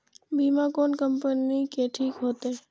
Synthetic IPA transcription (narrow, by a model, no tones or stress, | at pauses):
bʱiːmakoːnkəmpənikeʈʰiːkɦoːt̪eː